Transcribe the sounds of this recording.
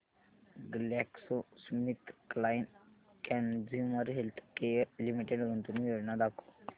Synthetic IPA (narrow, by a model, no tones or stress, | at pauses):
ɡlɛksosmit̪ʰklajn | kɛnd͡ziməɾɦelt̪ʰkejəɾlimiʈeɖɡʱə̃nt̪uniʋeɽnad̪akʰo̥